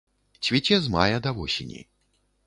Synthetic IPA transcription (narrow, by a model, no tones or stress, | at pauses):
t͡sʲvʲit͡sʲɛzmajɐd̪ɐvɔsʲḭnʲḭ